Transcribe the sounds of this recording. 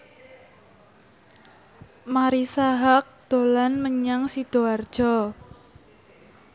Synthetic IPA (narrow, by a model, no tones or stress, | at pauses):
maɾisaɦak̚d̪̥o̤lanməɲaŋsid̥o̤ard̥ʒ̥ɔ